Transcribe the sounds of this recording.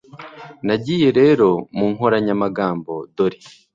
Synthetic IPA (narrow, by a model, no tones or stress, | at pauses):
naɟije̞ɾe̞ːɾo̞muːŋ̥ɦo̞ɾaɲamaɡaːmbo̞doɾi